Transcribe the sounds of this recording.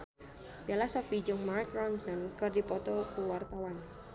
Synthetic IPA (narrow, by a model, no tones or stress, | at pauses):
b̥ialasɔfid͡ʒɔŋmarkɾɔnsɔnkɨrdipɔt̪ɔkuwart̪awan